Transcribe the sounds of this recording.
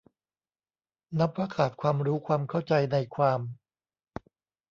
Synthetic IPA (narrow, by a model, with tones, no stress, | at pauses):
na˦˥pːɾaː˧kʰaː˨˩t̪̚kʰwaː˧mɾuː˦˥kʰwaː˧mkʰa˥˩wt͡ɕa˧jna˧jkʰwaː˧m